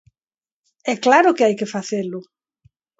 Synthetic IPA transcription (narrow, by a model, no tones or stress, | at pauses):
ɛklaɾʊkɪajkɪfaθelʊ